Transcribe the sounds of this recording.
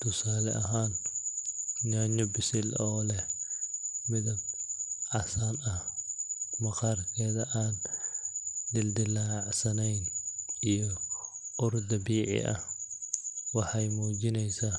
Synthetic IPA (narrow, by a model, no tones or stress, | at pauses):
t̪ʰʊsaːlɛ̰ʔɐɦaːn | naːɲɔbɪsɪlɔːlɛ | mɪðɐb̚ʕɑsaːnɐh | mɐqɑrkʰɛːðɐʔaːn | d̪ɪld̪ɪlaːʕsɐnɛjnijɔ | ʊrd̪ɐbiːʕɪ̰ʔɐ̰h | wɑħɑjmuːd͡ʒɪnɛjsa